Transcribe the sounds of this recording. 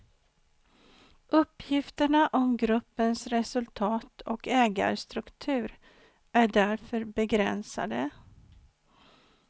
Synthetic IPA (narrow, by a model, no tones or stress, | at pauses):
ʔɵpːjɪft̪əɳaʔɔmɡɾɵpːənsɾɛsɵlt̪ʰɑːt̪ʰɔkɛːɡa̰ɾst̪ɾɵkt̪ʰʉ̟ːɾ | ʔæɖæɾfœɾbɛɡɾɛ̰nsa̰d̪ə